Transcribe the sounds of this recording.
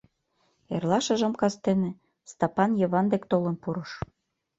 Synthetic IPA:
ḛrlɑʃə̆ʒɤ̆mkɑst̪enĕ | st̪ɑpɑnjɤ̆βɑnd̪ekt̪olə̆npuɾɤʃ

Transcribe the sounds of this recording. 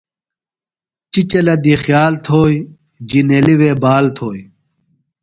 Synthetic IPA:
t͡ɕit͡ɕɐlɐd̪ixjaːlt̪ʰoːj | d͡ʑineliweːbaːlt̪ʰoːj

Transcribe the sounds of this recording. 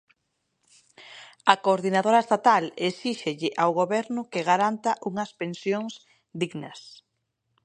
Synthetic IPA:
ɐkoːɾðinaðoɾaest̪at̪alesiʃeʎɪʔawɣoβɛɾnʊkeɣaɾant̪aʔuŋɐspensjoŋs | d̪iɣnɐs

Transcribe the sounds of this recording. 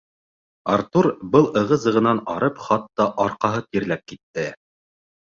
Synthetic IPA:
aɾt̪uɾbɤlˠɤ̆ʁɤ̆zɤ̆ʁɤ̆nɑnɑɾɤpχɑt̪ːɑʔɑɾqɑɦɤt̪iɾlæp̚kit̪ːɘ

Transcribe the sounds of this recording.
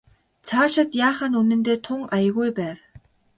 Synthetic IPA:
t͡sʰaːʃăt̪jaːχănunɘ̆nt̪eːt̪ʰʊŋajə̆ɣujpæːw

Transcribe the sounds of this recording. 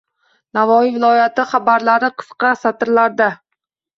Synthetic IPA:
navɒivɪlˠɒjat̪ɪχabaɾlaɾɪqʰɨ̥sqʰɑsat̪ɪɾlaɾd̪a

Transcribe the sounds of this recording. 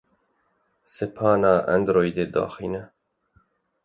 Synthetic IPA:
sɪpʰɑːnɑːʔɛ̰nd̪ɾoːjd̪eːd̪ɑ̰ːxiːnɛ

